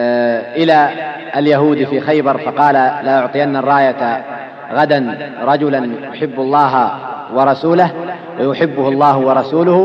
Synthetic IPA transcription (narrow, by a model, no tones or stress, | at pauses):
ʔɪla | aljaɦuːd̪fiːxajbɑɾˤfɑqɑːlalaʔʊʕt̪ˤɨjanːarˤːɑːjat̪ | ɣad̪anɾˤɑd͡ʒʊlanjʊħɪbːalˤːɑːɦa | wɑɾˤɑsuːlah | wajʊħɪbːʊhlˤːɑːɦʊwɑɾˤɑsuːlʊh